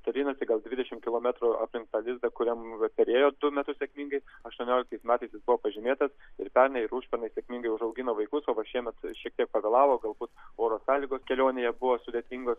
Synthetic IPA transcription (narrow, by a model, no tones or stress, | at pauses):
t̪ʲɛɾʲiːnɐsʲɪɡɐlˠd̪ʲʋʲɪd̪ʲɛʃʲɪmkʲɪlˠoːmʲæt̪ɾʊɐ̰pʲlʲɪŋk̚t̪ɑːlʲɪzd̪ɐkʊɾʲɛmpʲɛɾʲeːjoːd̪ʊmʲæt̪ʊssʲɛkmʲiːŋɡɐɪɐʃt̪uɔnʲoːlʲɪkt̪ɐɪsmʲæːt̪ɐɪsjɪsbʊʋoːpɐʒʲɪmʲeːt̪ɐsɪɾpʲɛɾnɐɪɪɾuːʃʲpʲɛɾnɐɪsʲekmʲiŋɡɐɪʊʃɐʊɡʲɪnoːʋɐɪkʊsoːʋɐʃʲiɛmʲɛt̪ʃʲiɛk̚t̪ʲiɛk̚pɐɡʲɐːlˠɑːʋoːɡɐlˠbuːt̪oːɾoːsɑːlʲiɡoːskʲɛlʲoːnʲejɛbʊʋoːsʊd̪ʲet̪ʲiŋɡoːs